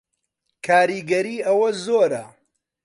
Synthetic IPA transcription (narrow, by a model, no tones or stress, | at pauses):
kʰaːɾiːɡɐɾiːʔɐwɐzoːɾɐ̰